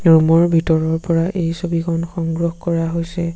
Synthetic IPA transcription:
ɹumɔɹbʱitɔɹɔɹpɔɹaʔejsobikʰɔnxɔŋɡɹɔxkɔɹaɦojsɛ

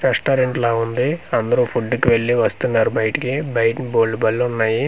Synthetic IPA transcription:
ɾɛsʈaːɾeɳʈlaːund̪iɐnd̪ɐɾuːpʰuɖːukiʋe̞ɭːiʋɐst̪unːaːɾubɐjiʈikibɐjʈnboːlːubɐlːunːaːji

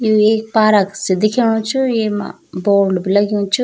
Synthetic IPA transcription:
jueːk̚paːɾəksed̪ɪkʰeɽ̃ũt͡ʃʰujemã̰ | boːɾɖbʱilɐɡijũt͡ʃʰu

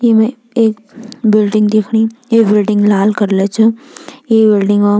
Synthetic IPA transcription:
jemɛ̃ | eːk | bɪlɖɪ̃ŋɡd̪eːkʰɽijeːbɪlɖɪ̃ŋɡlaːlkɐɾlet͡ʃʰʊjeːbɪlɖɪ̃ŋɡa

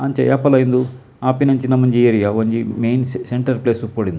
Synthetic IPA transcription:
ɐɲt͡ʃɐjɐpɐlɐjind̪u | aːpinɐɲt͡ʃinɐmɐnd͡ʒijɐɾijaʋoɲd͡ʒimejnseɳʈɐɾpleːsupoːɽind̪u

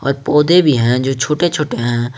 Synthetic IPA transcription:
ɔ̰ːɾpɔːd̪ebʱiɦɛ̃d͡ʒoːt͡ʃʰoːʈet͡ʃʰoːʈeɦɛ̃ː

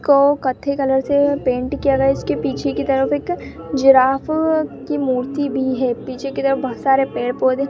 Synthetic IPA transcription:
kokɐt̪ʰːekɐləɾsepẽːɳʈkijaɡɐjaɪskepiːt͡ʃʰekit̪ɐɾəfeːk | d͡ʒɪɾaːfkimuːɾt̪ibʱiɦɛːpiːt͡ʃʰekit̪əɾəfbɐɦət̪saːɾepeːɽpoːd̪ẽː

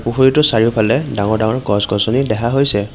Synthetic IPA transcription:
puxoɹitʊsaɹiɔpʰalɛdaŋɔɹdaŋɔɹɡɔsɡɔzɔnidɛɦaɦojsɛ

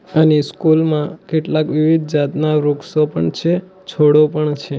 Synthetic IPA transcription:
əneskulmãkeʈlakʋiʋid̪̚ʱd͡ʒat̪naɾuksopəɳt͡ʃʰe | t͡ʃʰoɽopəɳt͡ʃʰe

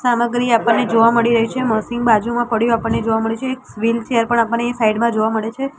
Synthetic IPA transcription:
saməɡɾiapəɳːed͡ʒoʋaməɽiɾəɦit͡ʃʰeməsɪŋɡ̚bad͡ʒumãpəɽjũapəɳned͡ʒoʋaməɭet͡ʃʰeːksʋilt͡ʃeəɾpəɳapəɳːẽsaiɖmãd͡ʒoʋaməɭet͡ʃʰe

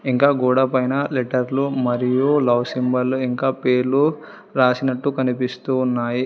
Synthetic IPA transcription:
iŋkaːɡuːɽɐpɐjnɐleʈɐɾlumɐɾijulɐʋsimbɐlːuiŋkaːpeːɾlu | ɾaːsinɐʈːukɐnipist̪uːnːaːji

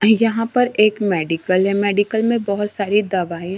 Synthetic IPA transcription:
jɐɦãpɐɾeːkmɛːɖɪkəlɦɛmɛːɖikəlmẽbɔɦʊt̪saːɾid̪ɐʋaːĩ

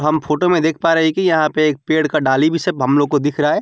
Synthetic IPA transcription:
ɦɐmfoːʈomẽd̪eːkʰpaːɾɐɦɛkijɐɦãpeeːk̚peːɽkaɖaːlibʱisɐbɦɐmloːɡ̚kod̪ɪkʰɾaaɛː

